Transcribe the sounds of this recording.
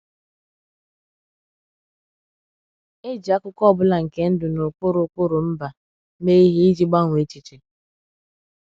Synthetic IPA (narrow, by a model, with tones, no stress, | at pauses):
e˦d͡ʒi˨a˦kʊ˦kɔ˦˨bʊ˦la˨ŋ̩˨ke˦n̩˦dʊ˨no˨k͡pʊ˦ɾʊ˨˦k͡pʊ˦ɾʊ˨m̩˦ba˨ | me˦i˦ɦi˦i˦d͡ʒi˦ɡ͡ba˦ŋʷ˨e˨˦t͡ʃi˨t͡ʃi˨